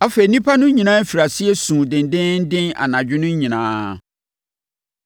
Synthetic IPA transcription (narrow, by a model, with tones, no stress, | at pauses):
a˦fe˨i˨nĩ˦pʰa˦nʊ̃˦ɲĩ˨nãː˦fi˨ɾa˨sɪ˦ɛ˦sũː˨dɪ̃˨ndɪ̃˦nn̩˦dɪ̃˦na̰˨nã˨d͡ʑᶣɪ˦nʊ̃˦ɲĩ˨nã̰ː˨˦